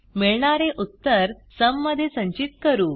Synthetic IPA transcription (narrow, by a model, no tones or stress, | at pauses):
miɭɳaɾeʔut̪ːəɾsəmːəd̪ʱːjesəɲt͡ɕit̪̚kəɾuː